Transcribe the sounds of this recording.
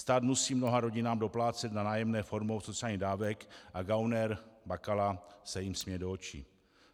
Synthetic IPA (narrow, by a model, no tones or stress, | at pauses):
st̪aːt̪musiːmno̞ɦaɾo̞ɟɪnaːmdo̞plaːt͡sɛt̪nanaːjɛmnɛːfo̞ɾmowso̞t͡sɪalɲiːdaːvɛkʔaɡawnɛɾbakalasɛjimsmɲɛdoot͡ʃḭ